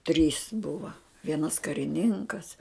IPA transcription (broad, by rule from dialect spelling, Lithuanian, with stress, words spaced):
tʲrʲiːs ˈbʊʋɐ ˈʋʲiɛnɐs kɐrʲɪˈnʲɪŋkɐs